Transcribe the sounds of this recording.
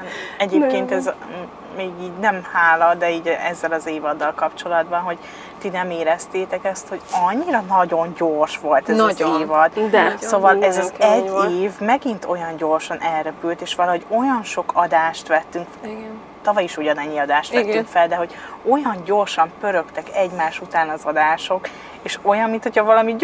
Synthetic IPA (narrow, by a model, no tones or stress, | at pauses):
ɛɟeːpkeːnt̪ɛz | meːɡiːɟnɛmhaːlɒd̪ɛiːɟʔɛzːɛlɒzeːvɒd̪ːɒlkɒpt͡ʃo̞lɒd̪bɒnɦo̞ɟ | t̪inɛmeːɾɛst̪eːt̪ɛkɛst̪hoɟɒɲːiɾɒnɒɟo̞ɲɟorʃʋo̞lt̪ɛzɒeːvɒd̪̥soːvɒlɛzɒzɛːeːvmɛɡint̪o̞jɒɲɟo̞rʃɒnʔɛlɾɛpylt̪eːʃʋɒlɒɦo̞ɟo̞jɒnʃo̞kʰɒd̪aːʃt̪ʋɛt̪ːyŋk | t̪ɒvɒjiʃoɟɒnɛɲːiɒd̪aːʃt̪ɛt̪ːyŋkfɛld̪ɛɦo̞ɟo̞jɒɲɟo̞rʃɒmpø̞ɾø̞kt̪ɛkɛɟmaːʃut̪aːnɒzɒd̪aːʃo̞k | eːʃo̞jɒmmːinʰho̞cʰɒvɒlɒmi